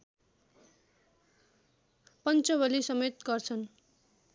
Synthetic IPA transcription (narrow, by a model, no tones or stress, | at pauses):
pʌnt͡sʌbʌlisʌmʌjt̪ɡʌrt͡sʰʌn